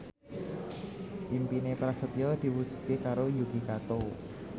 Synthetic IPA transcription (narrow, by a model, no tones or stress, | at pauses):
ʔimpinepɾasət̪iɔd̪̥i̤wud̥ʒ̥ṳ̥t̪̚kekaɾojuɡ̥i̤kat̪o